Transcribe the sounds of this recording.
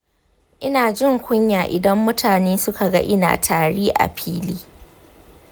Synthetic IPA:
ʔɪ˦naː˨d͡ʒɪ˦˨ŋkʷʊ˦ɲjaː˨ʔɪ˨dɐ˦mːʊ˦tʰaː˨neː˦sʊ˦ka˨ɡa̰˦ʔɪ˦na̰ː˨tʰaː˨ɽiː˦ʔa̰˨ɸʰiː˦liː˦

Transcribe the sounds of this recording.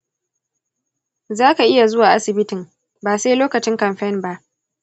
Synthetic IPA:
zaː˦ka˨ʔɪ˦ja˨zʊ˦waː˨ʔa˦sɪ˨bɪ˦tɪ˨ŋ | baː˨seː˦loː˦kɐ˨t͡ʃɪ˦ŋkɐ˨mɸɛ˦˨nba˦ʔ

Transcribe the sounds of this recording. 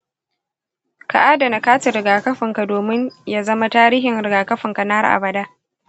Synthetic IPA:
ka̰˨ʔaː˦da˨na˨kaː˦tɪ˨ɾɪ˨ɡaː˨kɐ˦ɸɪ˨ŋka˨doː˨mɪ˦ɲja˦zɐ˦ma˦taː˦ɾiː˦ɦɪ˨nɾɪ˨ɡaː˨kɐ˦ɸɪ˨ŋka˨na˦rʔa̰˨bɐ˨da˦ʔ

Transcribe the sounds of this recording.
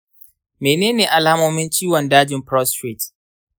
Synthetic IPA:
meː˨neː˦neː˨ʔa˨laːa˦moː˦mɪ˦nt͡ʃiː˦wɔ˨ndaː˦d͡ʒɪ˨mpɾɔ˦stɾi˨t

